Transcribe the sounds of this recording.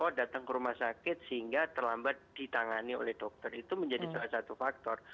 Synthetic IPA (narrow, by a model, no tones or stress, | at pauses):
ɔdat̪aŋkəɾumahsakɪt̪̚səhiŋɡat̪ərlambat̪̚d̥it̪aŋanio̰lɛhdɔk̚t̪ərit̪uməɲd͡ʒadisalahsat̪ufak̚t̪ɔr